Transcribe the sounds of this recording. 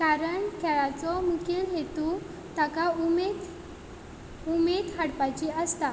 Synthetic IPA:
kaɾəɳkʰɛɭat͡sɔmukʰilɦet̪u | t̪akaumed̪ | umed̪ɦaɽpat͡ɕiəst̪a

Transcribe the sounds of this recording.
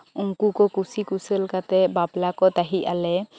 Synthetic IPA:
uŋkukɔkusikuselkat̪ɛbablakɔt̪aɦiʔalɛ

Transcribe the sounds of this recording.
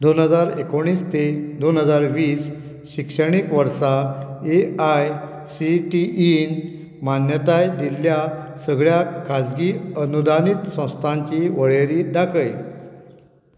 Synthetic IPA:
d̪onɦəd͡zaɾekoɽ̃iːst̪ed̪onɦəd͡zaɾʋiːs | ɕikʂəɽ̃ikʋəɾsaeaj | siʈiʔin | manjət̪ajd̪ilːja | səɡɭjakʰad͡zɡiənud̪ʱanit̪sə̃w̃st̪ʰãɲt͡ɕiʋəɭeɾiːd̪akəj

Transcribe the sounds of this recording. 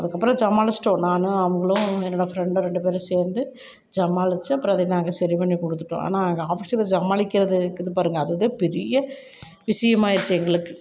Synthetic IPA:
ɐðɯkːɐpːɾɐ̃d͡ʒɐmaːlɪsʈːõnaːnɯɐʋɐŋɡɐɭʊ̃ɛnːoɽɐfɾɛɳɖ̃ɾɛɳɖɯpeːɾseːɾnd̪ɯ | d͡ʒɐmaːlɪt͡ʃːɯɐpːɯɾɐ̃ɐðɐnaːŋɡɐsɐɾipɐɳːikɔɽɯt̪̬ːɯʈːõ̰ʔa̰ːnaːɐŋɡɐaːfɪʂɪlɐd͡ʒɐmaːɭɪkːɪɾɐðɯkːɪðɯpaːɾɯŋɡɐːðɯðɯpɛɾɪjɐ | ʋɪʂɐjɐmaːɪɾɯt͡ʃːɐɛŋɡɐɭɯkːɯ̥

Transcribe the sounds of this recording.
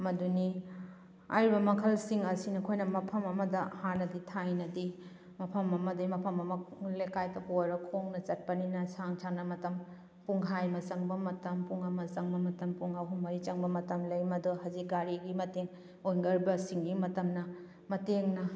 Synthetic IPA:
mɐduni | a̰jɾibɐmɐkʰɐlsiŋɐsinɐkʰojnɐmɐpʰɐmɐmɐdɐhanɐditʰajnɐdi | mɐpʰɐmɐmɐdɐmɐpʰɐmɐmɐlekajtɐpojɾɐkʰoŋnɐt͡ʃɐt̚pɐninɐsaŋt͡ʃʰanɐmɐtɐm | puŋɦajmɐzɐŋbɐmɐtɐmpuŋɐmɐzɐŋbɐmɐtɐmpuŋɐwɦumːɐɾit͡ʃɐŋbɐmɐtɐmlɐjmɐdɔhɐzik̚ɡaɾiɡimɐteŋ | ojŋɡɐɾbɐsiŋɡimɐtɐmnɐ | mɐteŋnɐ

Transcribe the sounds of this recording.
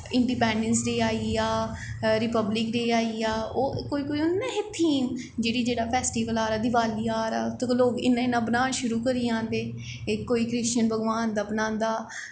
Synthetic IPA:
ɪɳɖiːpɛ̃ːɳɖənsɾeːaːiːaːɾɪpəblɪkɾeːaːiːaːoːkoːiːkoiʊnːãːɦɪt̪ʰiːm | d͡ʒeːɽiːd͡ʒeːɽaːpʰɛːsʈiːʋəlaːɾaːd̪ɪʋaːliːaːɾaːt̪kloːkɪ̰nãːɪnãːbənãːʃʊɾuːkəɾiːãːnd̪eː | koːiːkɾɪst͡ʃənbʱəɡʋaːnd̪aːbnãːnd̪aː

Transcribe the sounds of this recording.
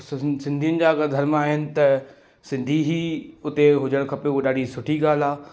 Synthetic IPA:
ssɪ̃nd̪ʱijʊnɪ̆d͡ʑaːɐɡɐd̪ʱɐɾmaːɦɪnɪ̆t̪ɐ | sɪ̃nd̪ʱiɦiːʊt̪eɦʊd͡ʑəɽ̃kʰɐpeɗaːɖʱisʊʈʰiɡaːl̤aː

